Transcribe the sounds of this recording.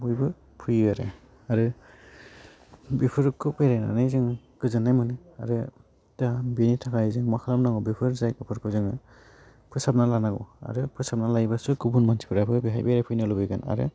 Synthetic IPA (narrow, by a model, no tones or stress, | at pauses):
bujbɯ | pʰujaɾɯ̰ | aɾɯ | bipʰɯɾkʰɯpejɾajna̰nɯjzɯŋ | kɯzɯnːajmɯnɯ | a̰ɾɯ | tabenitʰakʰajzɯŋmakʰalamnaɡɔbipʰɯɾzajkɯpʰɯɾkʰɯzɯŋɯ | pʰɯsap̚nalanaɡɔ̰a̰ɾɯpʰɯsap̚nalajbasɯkɯbunmantʰi̥pʰɯɾapʰɯbiɦajbajɾapʰɯjnɯlɯbɯjɡana̰ɾɯ̰